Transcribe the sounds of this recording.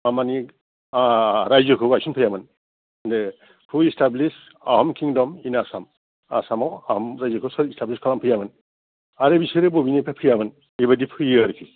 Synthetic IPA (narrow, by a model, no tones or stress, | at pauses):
amani | ɾajzɯkʰɯɡajsunpʰɯjamɯn | nde | pʰɯistablis | a̰hɔmkʰiŋdɔminasam | asamawahɔmɾajzɯkʰɯsɔɾistabliskʰalampʰɯjamɯn | aɾebisiɾɯbobinepʰapʰɯjamɯn | ebadipʰɯjiaɾipʰi